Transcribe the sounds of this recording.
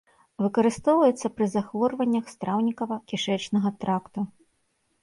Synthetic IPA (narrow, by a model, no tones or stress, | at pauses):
vɨkɐɾɨst̪ɔwvɐjɛt̪sːɐpɾɨzaxvɔrvɐnʲːɐxst̪ɾawnʲikɐvɐkʲiʂɛt͡ʂnɐɣɐt̪ɾakt̪u